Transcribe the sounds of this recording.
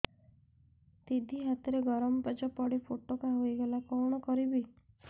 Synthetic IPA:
t̪id̪ʱiɦat̪ɔɾeɡɔɾɔmɔpɔd͡ʒɔpɔɽipʰoʈokaɦoiɡelakɔwɽ̃ɔkɔɾibi

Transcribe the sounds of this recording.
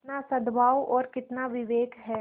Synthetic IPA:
ɪt̪nasɐd̪baːwɔːɾkɪt̪naʋɪʋeːkɦɛː

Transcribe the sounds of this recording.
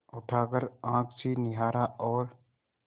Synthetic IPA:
ʊʈʰaːkəɾãːkʰsiːnɪɦaːɾaʔɔːɾ

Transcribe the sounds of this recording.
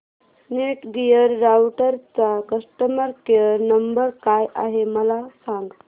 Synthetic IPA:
neʈɡijəɾːawʈəɾt͡sakəsʈəməɾkejəɾnəmbəɾkajʔa̰ɦeməlasãŋɡ

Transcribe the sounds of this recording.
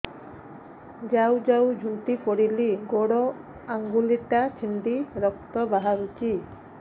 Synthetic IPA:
d͡ʒawd͡ʒawd͡ʒʱuɳʈipɔɽiliɡoɽɔ | aŋɡuliʈat͡ʃʰiɳɖiɾɔk̚t̪ɔbaɦaɾut͡ʃi

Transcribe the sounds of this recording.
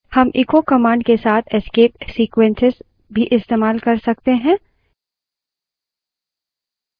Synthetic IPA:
hɐmʔɪkokɐmãːɳɖkesaːt̪ʰɛskeːp̚siːkwɛ̃nsɪz | bʱiʔɪst̪eːmaːlkɐɾsɐk̚t̪eɦɛ̃ː

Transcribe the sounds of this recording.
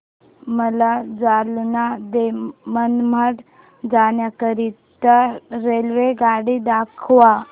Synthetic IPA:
məlad͡zalnad̪emənməʈ | d͡zaɳjakəɾiː | t̪əɾːelʋeɡaɽid̪akʰʋa

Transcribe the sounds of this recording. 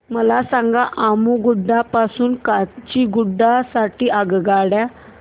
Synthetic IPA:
məlasãŋɡaʔaːmuɡʊɖːapasuːnkat͡ʃiɡʊɖːasaʈiʔaɡɡaːɽa

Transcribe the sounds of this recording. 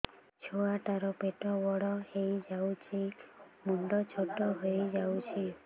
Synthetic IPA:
t͡ʃʰoaʈaɾɔpeʈɔwɔɽɔhejd͡ʒawt͡ʃʰi | muɳɖɔt͡ʃʰoʈɔɦojd͡ʒawt͡ʃʰi

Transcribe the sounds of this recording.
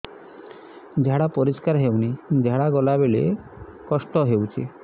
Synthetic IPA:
d͡ʒʱaɽapɔɾiskaɾɦewnid͡ʒʱaɽaɡɔlabeɭḛ | kɔsʈɔɦewt͡ʃʰḭ

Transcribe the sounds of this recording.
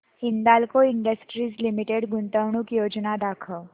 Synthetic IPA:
ind̪alkoiɳɖəsʈɾiːd͡zlimiʈeɽɡunt̪əʋɳ̃uːkjod͡ʑnad̪akʰə

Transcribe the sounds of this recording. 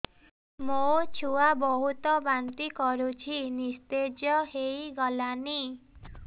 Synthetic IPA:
mot͡ʃʰuabɔɦut̪ɔbant̪ikɔɾut͡ʃʰinist̪ed͡ʒjɔhejɡɔlani

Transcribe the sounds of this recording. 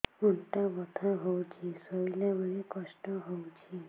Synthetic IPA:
uɳʈabɔt̪ʰaɦowt͡ʃʰisɔilabənekɔsʈɔɦowt͡ʃʰi

